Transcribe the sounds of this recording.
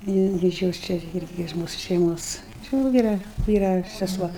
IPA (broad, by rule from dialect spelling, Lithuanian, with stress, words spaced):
jɪ ˈɪrʲɡʲɪ ɪʃ ˈjoːs ˈt͡ʃʲɛ ˈɪrʲɡʲɪ ɪʃ ˈmuːsʊ ʃʲɛɪˈmoːs t͡ʃʲɪ ʋɐ ˈʋʲiːrɐ ˈʋʲiːrɐ sʲɛˈsuɔ